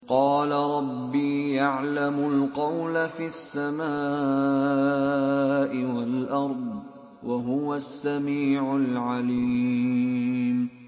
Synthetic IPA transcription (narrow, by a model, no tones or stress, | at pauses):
qɑːlaɾˤɑbːiːjaʕlamʊlqɑwlafiːasːamaː | ʔɪwalʔɑɾˤd̪ˤ | wʔaɦʊwasːamiːʕʊlʕali | m